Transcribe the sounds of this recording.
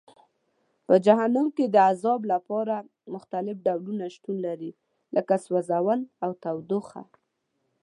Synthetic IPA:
pəd͡ʒaɦanɑŋked̪əazɑblapɑɾa | mʊxt̪alɪfɖawlunaʃt̪unlaɾi | lʔəkaswazawanawt̪awd̪oxa̰

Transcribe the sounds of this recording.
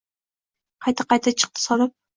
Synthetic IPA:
qʰɑjt̪ʰɨqɑjt̪ʰɨt͡ʃʰɨ̥q̚t̪ʰɨ̥sɒlˠɨp̚

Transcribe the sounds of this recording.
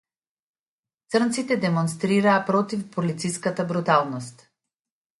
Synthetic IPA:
t̪srnt̪sit̪ɛd̪ɛmɔnst̪ɾiɾaːpɾɔt̪ifpɔlit̪siskat̪abɾut̪alˠnɔst̪

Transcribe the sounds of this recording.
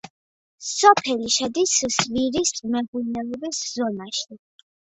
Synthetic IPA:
sɔpʰɛliʃɛd̪iszviɾist̪ʼmɛɡunɛlɔbiszɔnaʃi

